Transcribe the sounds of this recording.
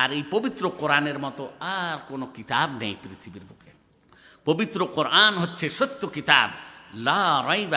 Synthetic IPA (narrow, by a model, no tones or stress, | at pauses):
aɾepɔbit̪ɾoqoɾaneɾmɔt̪ɔaɾkonokit̪abnɛ̰jpɾit̪ʰibiɾbukʰe | pɔbit̪ɾoqoɾʔanɦotːt͡ʃʰesɔt̪ːokit̪a̰blaɾajba